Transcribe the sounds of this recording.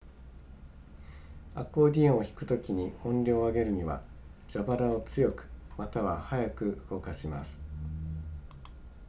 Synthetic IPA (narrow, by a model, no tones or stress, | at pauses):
a̰kːo̞ːd̪ʲião̞çi̥kɯ̟̥t̪o̞kʲiɲ̟iõ̞nɾʲo̞ːaɡe̞ɾɯ̟ɲ̟iβa̰d͡ʑabaɾao̞t͡sɨjo̞kɯ̥mat̪aβahajakɯ̟ɯ̥ɡo̞kaɕimasɨ̥